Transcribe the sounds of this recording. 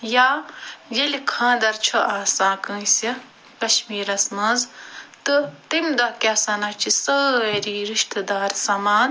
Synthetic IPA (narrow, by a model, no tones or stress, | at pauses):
jaːjelkʰãːd̪ɐɾt͡ʃʰoʔaːsãːkə̃ːsi | kɐʃmiːɾɐsmɐzt̪ɨt̪imd̪ɐkʲɐsɐnɐt͡ʃʰisəːeɾiːɾiʃt̪ɨd̪aːɾsɐmaːn